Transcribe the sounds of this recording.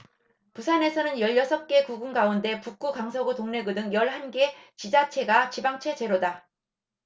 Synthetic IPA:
pusʰane̞sʰʌnɯnjʌʎːʌsʰʌp̚k͈e̞kuɡuŋɡaunde̞puk͈ukaŋsʰʌɡutoŋne̞ɡɯdɯŋjʌɭhanɡe̞t͡ɕid͡ʑat͡ɕʰe̞ɡat͡ɕibaŋt͡ɕʰe̞d͡ʑe̞ɾoda

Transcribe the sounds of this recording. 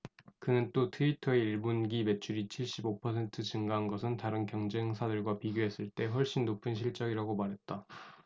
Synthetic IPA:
kɯnɯnt͈otʰɯitʰʌeiɭbunɡime̞t͡ɕʰuɾit͡ɕʰiɭɕ͈ibopʰʌsʰe̞ntʰɯt͡ɕɯŋɡaɦanɡʌsʰɯntaɾɯnkjʌŋd͡ʑeŋsʰadɯɭɡwapiɡjoɦe̞s͈ɯɭt͈e̞ɸwʌɭɕ͈inːopʰɯnɕ̬ʰiɭt͡ɕ͈ʌɡiɾaɡomaɾɦe̞t̚t͈a

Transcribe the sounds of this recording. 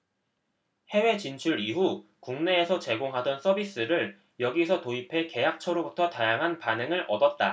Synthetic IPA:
he̞we̞t͡ɕint͡ɕʰuɾiɦukuŋne̞ːsʰʌt͡ɕe̞ɡoŋɦadʌns͈ʰʌbis͈ɯɾɯɭ | jʌɡisʰʌtoipʰe̞ke̞jak̚t͡ɕʰʌɾobutʰʌtajaŋɦanpanɯŋɯɾʔʌ̰dʌt̚t͈a

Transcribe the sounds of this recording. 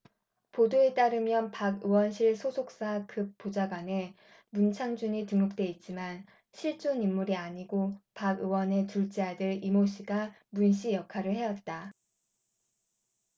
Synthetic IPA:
podoe̞t͈aɾɯmjʌnpaɡɯwʌnɕʰiɭsʰosʰok̚s͈akʰɯk̚p͈od͡ʑaɡwane̞ | munt͡ɕʰaŋd͡ʑuɲitɯŋːuk̚t͈we̞it̚t͡ɕ͈iman | ɕʰiɭt͡ɕ͈onimːuɾiaɲiɡopaɡɯwʌne̞tuɭt͡ɕ͈eadɯɾimoɕʰiɡa | munɕʰijʌkʰaɾɯɭhe̞jʌt̚t͈a

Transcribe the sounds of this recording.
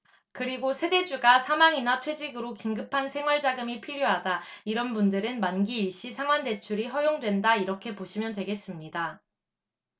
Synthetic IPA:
kɯɾiɡosʰe̞de̞d͡ʑuɡasʰamaŋinatʰwe̞d͡ʑiɡɯɾokiŋɡɯpʰansʰe̞ŋwaɭd͡ʑaɡɯmipʰiɾjoɦadaiɾʌnbundɯɾɯnmanɡiːɭɕ͈isʰaŋwande̞t͡ɕʰuɾiɦʌjoŋdwe̞ndaiɾʌkʰe̞poɕʰimjʌndwe̞ɡe̞s͈ɯmɲida

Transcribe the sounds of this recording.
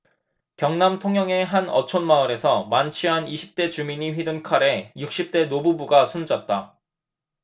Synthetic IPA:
kjʌŋnamtʰoŋɦjʌŋe̞ɦanʌt͡ɕʰʌnmaɯɾe̞sʰʌmant͡ɕʰiɦaniɕʰi̥p̚t͈e̞t͡ɕumiɲiɸɥidunkʰaɾe̞juk̚ɕ͈ip̚t͈e̞nobubuɡasʰund͡ʑat̚t͈a

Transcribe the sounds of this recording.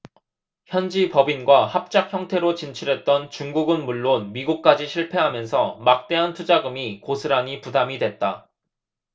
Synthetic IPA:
çjʌnd͡ʑipʌbinɡwahap̚t͡ɕ͈ak̚çjʌŋtʰe̞ɾot͡ɕint͡ɕʰiɾɦe̞t̚t͈ʌnt͡ɕuŋɡuɡɯnmuɭːonmiɡuk̚k͈ad͡ʑiɕʰiɭpʰe̞ɦamjʌnsʰʌmak̚t͈e̞ɦantʰud͡ʑaɡɯmikosʰɯɾaɲipudamidwe̞t̚t͈a

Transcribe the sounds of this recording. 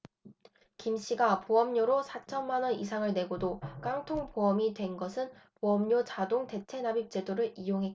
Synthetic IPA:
kimɕ͈iɡapoʌmɲoɾosʰat͡ɕʰʌnmanʌnis̬ʰaŋɯɭne̞ɡodok͈aŋtʰoŋpoʌmidwe̞nɡʌsʰɯnpoʌmɲot͡ɕadoŋte̞t͡ɕʰe̞nabip̚t͡ɕ͈e̞doɾɯɭijoŋɦek

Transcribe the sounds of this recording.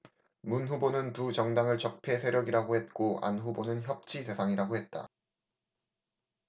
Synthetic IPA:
munɸubonɯntud͡ʑʌŋdaŋɯɭt͡ɕʌk̚pʰe̞sʰe̞ɾjʌɡiɾaɡohe̞t̚k͈oa̰nɸubonɯnçjʌp̚t͡ɕʰisʰe̞sʰaŋiɾaɡohe̞t̚t͈a̰

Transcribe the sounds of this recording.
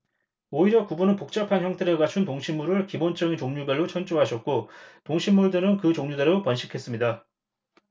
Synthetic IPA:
oiɾjʌkubunɯnpok̚t͡ɕ͈ʌpʰançjʌŋtʰeɾeɡat͡ɕʰuntoŋɕʰimːuɾɯɭkibont͡ɕ͈ʌɡit͡ɕoŋɲubeɭːot͡ɕʰʌnt͡ɕ͈uɦaɕʰʌt̚k͈otoŋɕʰimːuɭdɯɾɯnkɯt͡ɕoŋɲudeɾʌopʌnɕʰikʰe̞s͈ɯmɲida

